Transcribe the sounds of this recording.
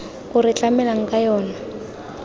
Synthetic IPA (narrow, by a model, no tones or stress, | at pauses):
kʊrɪt͡ɬamɛlaŋ̩kajɔːna